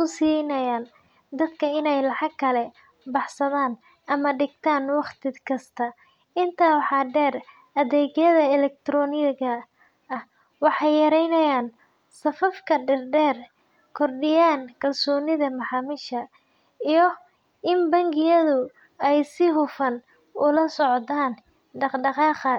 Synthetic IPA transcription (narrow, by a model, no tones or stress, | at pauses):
ʊsiːnɐjaːn | d̪ɐd̪kʰɐɪnɛjlɑħɑɡkʰːɐlɛ | bɑħsɐðaːn | ʔɐmɐɖɪɡt̪ʰaːnwɑχt̪ʰɪkʰɐst̪ʰɐ | ɪnt̪ʰaːwħɑɖɛːr | ɐðɛːɣjɐðɐɛlɛk̚t̪ʰɾɔnɪɣɐ | ɐh | wɑħɑjjɐɾɛjnɐjaːn | sɐfɐfkʰɐɖɛrɖɛːr | kʰɔrɖɪjaːnkʰɐlsɔːnɪðɐmɐħɑːmɪʃɐ | ijɔ | ʔɪmbɐŋɡɪjɐðʊ | ɛjsɪɦʊfɐn | ʊlɐsɔʕt̪aːn | ɖɑqɖɑqɑːqɐ